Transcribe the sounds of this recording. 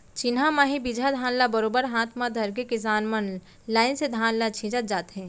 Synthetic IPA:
t͡ʃɪnɦamaːɦĩbid͡ʒʱad̪ʱaːnlabəɾoːbəɾɦãːt̪ʰmad̪ʱɐɾkekɪs̬aːnmən | laːɪnsed̪ʱaːnlat͡ʃʰĩːd͡ʒət̪̚d͡ʒaːt̪ɦɛ̃ː

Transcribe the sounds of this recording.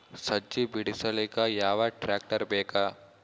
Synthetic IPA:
sɐd͡ʒibiɽisɐlikajaːʋaʈɾaːk̚ʈəɾbeːkaː

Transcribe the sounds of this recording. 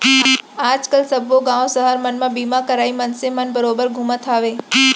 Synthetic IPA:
ad͡ʒkəlsəbʱʋoɡãʋõsəɦaɾmənmãbimãkəɾaimənsemənbəɾobəɾɡʱumə̃t̪ʰaʋe

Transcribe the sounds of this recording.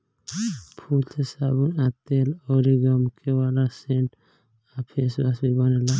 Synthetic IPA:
pʰult̪ʰesabunat̪elɔɾiɡɔmkewalaseɳʈ | apʰesbasbibɔnela

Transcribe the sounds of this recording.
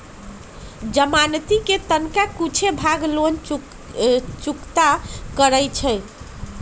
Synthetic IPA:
d͡ʒəmant̪iket̪ənkakut͡ʃʰebʱaɡlon | t͡ʃukt̪akəɾəjt͡ʃʰɛ

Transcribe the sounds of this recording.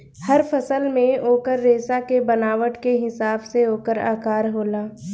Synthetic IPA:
hɐɾfʰɐsəlmẽoːkəɾːeːsakebɐnaːʋəʈkeɦɪsaːbseoːkəɾa̰ːkaːɾɦoːlaː

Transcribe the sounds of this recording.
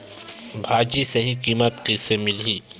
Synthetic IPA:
bʱaːd͡ʒisɐɦĩkiːmət̪kisemɪliː

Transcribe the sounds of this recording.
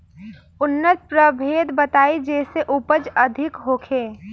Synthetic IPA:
ʊnːət̪̚pɾəbʱeːd̪bət̪aːid͡ʒɛːseʔʊpəd͡ʒəd̪ʱɪkɦoːkʰeː

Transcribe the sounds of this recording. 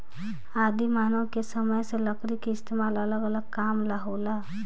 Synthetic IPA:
aːd̪imaːnõkesəməjseləkɾikiɪst̪eːmaːlələɡələɡ̚kaːmlaɦoːlaː

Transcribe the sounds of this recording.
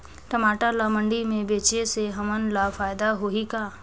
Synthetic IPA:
ʈɐmaːʈalaːmə̃ɳɖimẽbeːt͡ʃeseɦɐmənlaːfaːjd̪aɦoikaː

